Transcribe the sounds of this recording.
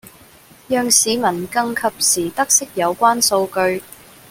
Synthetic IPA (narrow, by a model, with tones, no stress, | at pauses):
jœː˨ŋsiː˨˧mɐ˨˩nkɐ˧ŋkʰɐ˨p̚siː˨˩t̪ɐ˥k̚sɪ˥k̚jɐ˨˧wkʷaː˥nso˧wkɵ˧ɥ